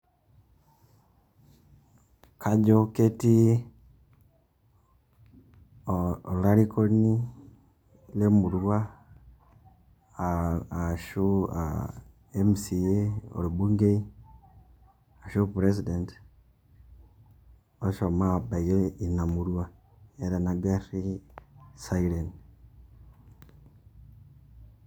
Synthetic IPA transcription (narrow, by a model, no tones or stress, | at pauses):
kʰaɟoketi | oulaɾikoni | lemuɾwa | aʃua̰ | emisieo̰lubuŋɡei | aʃupɾes̬ident | oʃomabaiɾeinamuɾuwa | eɾanaɡaɾi | sailen